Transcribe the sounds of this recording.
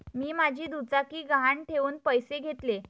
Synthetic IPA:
miːmad͡ʑʱiːd̪ut͡sakiːɡaaɳʈʰeʋuːnpəjseɡʱet̪le

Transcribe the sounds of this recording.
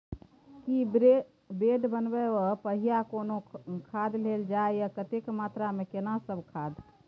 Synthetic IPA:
ki | beɖbənbɛopəɦijakonokʰad̪leld͡ʒaejakət̪ekmat̪ɾamekenasəbʱkʰad̪

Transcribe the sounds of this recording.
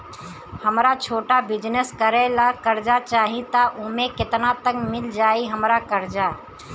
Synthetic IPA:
həmɾat͡ʃʰoːʈabɪd͡ʒnəskəɾelakəɾd͡ʒat͡ʃaːɦit̪aʔʊmẽkɪt̪nat̪əkmɪld͡ʒaːiɦəmɾakəɾd͡ʒaː

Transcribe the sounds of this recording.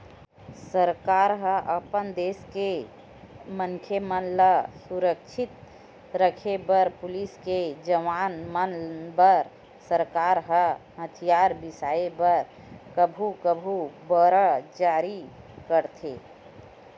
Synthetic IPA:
səɾkaːɾɦəʔəpənd̪eːske | mənkʰjemənləsuɾəkt͡ʃʰɪt̪̚ | ɾəkʰebəɾpʊlisked͡ʒəʋaːnmənbəɾ | səɾkaːɾɦəɦət̪ʰijaːɾbɪsaːebəɾ | kəbʱukəbʱubəɾəd͡ʒaːɾikəɾt̪ʰe

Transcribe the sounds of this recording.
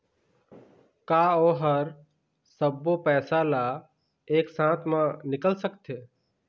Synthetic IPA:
kaːoːɦəɾ | səbːopɛːsala | eːksãːt̪ʰmãnɪkəlsəkt̪ʰeː

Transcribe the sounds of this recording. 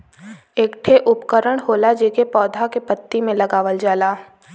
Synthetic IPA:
eːkʈʰeʔʊpkəɾəɽ̃ɦoːlad͡ʒeːkepɔːd̪ʱakepət̪ːimẽlɐɡaːʋəld͡ʒaːlaː

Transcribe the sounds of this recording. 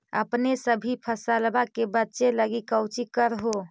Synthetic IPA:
ə̰pnesəbʱipʰəsəlbakebətːʃeləɡikəwt͡ʃikəɾɦo

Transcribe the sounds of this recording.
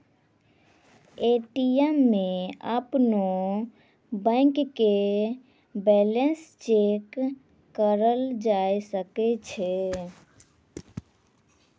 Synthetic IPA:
eʈiɛmːeəpno | bə̃ɪŋkkːe | bɛlenst͡ʃekː | əɾəld͡ʒaesəkɛt͡ʃʰɛ

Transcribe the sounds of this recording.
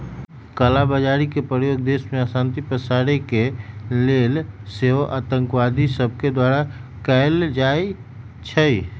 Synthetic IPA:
kəlabəd͡ʒaːɾikepɾəjoːɡ̚d̪eːsmẽasãːnt̪ipəsaɾekelelseoʔa̰ːt̪ə̃ŋkwad̪ʱisəb̚ʱked̪waːɾakəld͡ʒaːe | t͡ʃʰəi

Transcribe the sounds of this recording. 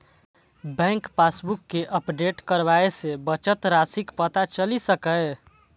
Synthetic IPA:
bɛ̃ŋkpasbukːeʔəpɖeʈkəɾbaesebət͡ʃət̪ɾasikpət̪at͡ʃəlisəkə

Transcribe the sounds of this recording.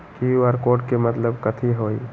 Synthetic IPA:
kiʋəɾkoːʈkemət̪ləbkət̪ʰiɦoi

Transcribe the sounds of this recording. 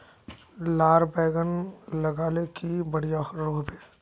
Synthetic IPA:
laːɾbɛːɡənləɡaːlekibəɽijaɾoːb̪eː

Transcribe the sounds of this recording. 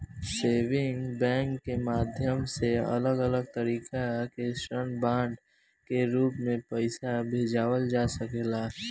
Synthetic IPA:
seːʋɪ̃ŋɡbɛ̃ːŋkːemaːd̪ʱjəmseə̰ləɡələɡ̚t̪əɾiːkakeʃɾənbãːɳɖ | keɾuːpmẽpəɪsabʱeːd͡ʒaːwəld͡ʒaːsəkeːlaː

